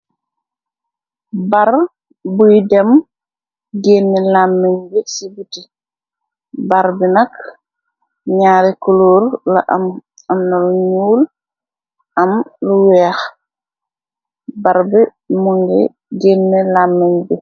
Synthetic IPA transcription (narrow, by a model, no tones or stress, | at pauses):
baɾ | bujdɛm | ɡenːɛlamːɛɲbɛsibuti | baɾbinak | ɲaːɾɛkuloɾla̰ʔam | ɐmnaluɲuːl | ʔɐmluwɛːx | baɾbi | muŋɡɛ̰ | ɡeːnːɛlaːmːɛɲbɛ